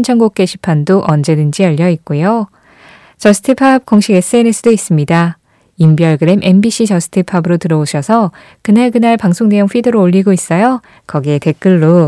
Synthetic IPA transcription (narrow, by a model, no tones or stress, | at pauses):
nt͡ɕʰʌŋɡok̚k͈e̞ɕʰi̥pʰandoʔʌnd͡ʑe̞dɯnd͡ʑiʌʎːʌit̚k͈ujo | t͡ɕʌsʰɯ̥tʰepʰab̚k͈ʌŋɕʰiɡe̞s͈ɯenes͈ʰɯdois͈ɯmɲida | imbiʌɭɡɯɾe̞mʔe̞nbiɕ͈ʰit͡ɕʌsʰɯ̥tʰepʰabɯɾotɯɾʌoɕʰʌsʰʌ | kɯnaɭkɯnaɭpaŋsʰoŋne̞joŋɸwidɯɾoːʎːiɡois͈ʌjo | kʌɡiete̞k͈ɯɭːo